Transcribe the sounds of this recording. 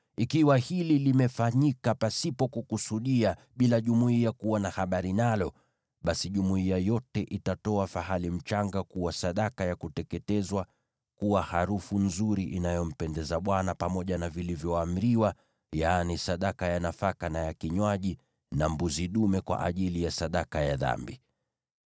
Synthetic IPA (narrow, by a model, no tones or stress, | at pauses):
ikiwahililimɛfaɲikapasipɔkukusuɗia | ɓilaʄumuiakuwanahaɓaɾinalɔ | ɓasiʄumuiajɔtɛʔitatɔafahalim̩t͡ʃaŋɡakuwasaɗakajakutɛkɛtɛzwa | kuwahaɾufunzuɾiʔinajɔm̩pɛndɛzaɓwanapamɔʄanavilivjɔam̩ɾiwa | janisaɗakajanafakanajakiɲwaʄi | nambuziɗumɛkwa̰ʔa̰ʄilijasaɗakajaða̰mbi